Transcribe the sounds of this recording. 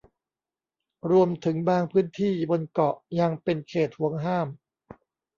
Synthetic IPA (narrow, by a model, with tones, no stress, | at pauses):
ɾu˧əmt̪ʰɯ˩˦ŋbaː˧ŋpʰɯː˦˥ənt̪ʰiː˥˩bo˧nkɔ˨˩ʔja˧ŋpe˧nkʰeː˨˩t̪̚hu˩˦əŋɦaː˥˩m